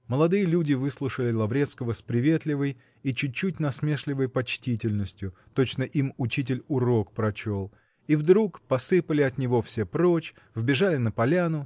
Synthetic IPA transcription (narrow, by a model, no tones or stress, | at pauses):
məlˠɐd̪ɨjəlʲudʲɪvɨslˠʊʂəlʲɪlˠɐvɾʲet̪skəvəspɾʲɪvʲe̞t̪lʲɪvəj | it͡ɕʊt̚ʲt͡ɕːut̚ʲnɐsmʲe̞ʂlʲɪvəjpɐt͡ɕtʲitʲɪlʲnəsʲtʲjʊt̪o̞t͡ɕnəʔimʊt͡ɕit̬ʲɪlʲʊɾo̞kpɾɐt͡ɕo̞lˠ | ivd̪ɾukpɐsɨpəlʲɪɐt̪nʲɪvo̞fsʲe̞pɾo̞t͡ɕ | vbʲɪʐalʲɪnəpɐlʲanʊ